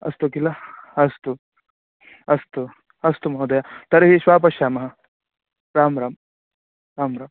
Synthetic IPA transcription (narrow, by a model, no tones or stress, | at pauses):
ɐ̰st̪ukilaɐst̪u | ɐst̪u | ɐst̪umɐɦud̪ɐjat̪ɐɾeʋiʃʋaːp̬ɐʃaːmɐɦɐ | ɾaːmɾaːm | ɾaːmɾaːm